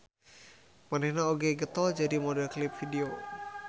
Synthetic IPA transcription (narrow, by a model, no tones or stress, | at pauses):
manɛnaɔɡeɡət̪ɔd͡ʒəɾimɔdəklip̚bʱidio